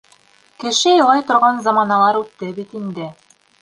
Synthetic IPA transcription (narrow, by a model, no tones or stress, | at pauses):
kɘ̆ʃɘjɤ̆lˠɑjt̪ŏɾʁɑnzɑmɑnɑlˠɑɾʉt̪ːɘbit̪ind̪ɘ